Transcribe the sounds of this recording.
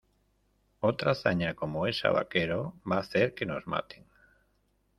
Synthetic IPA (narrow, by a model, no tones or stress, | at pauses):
owt̪ɾaθaɲakomoesa̰βa̰keɾoβaθeɾkenozma̰t̪eŋ